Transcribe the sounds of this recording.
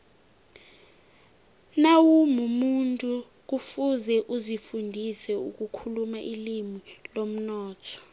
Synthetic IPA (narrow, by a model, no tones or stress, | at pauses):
nawumumuntʼu | k̬ufuzɛʔuzifundʱisɛṵk̬ʼukʰulumaʔilimilom̩nɔːtʰɔ̥